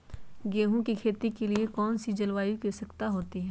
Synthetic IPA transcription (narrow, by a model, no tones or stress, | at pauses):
ɡeːɦõkikʰeːt̪ikeliekɔːnsid͡ʒɐlʋaːjukisɐkt̪aɦoːt̪iɦɛ̃ː